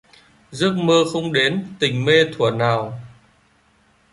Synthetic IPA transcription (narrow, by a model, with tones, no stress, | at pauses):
zɨ˦˥ək̚məː˧xə˧wŋ͡mɗe˨˦nt̪ï˨˩ŋ̟me˧t̪ʰu˧˩ənaː˨˩w